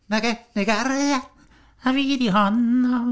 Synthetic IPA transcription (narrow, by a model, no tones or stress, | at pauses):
nækenːekærjæ | næʋiːt̪ihɑnːɑ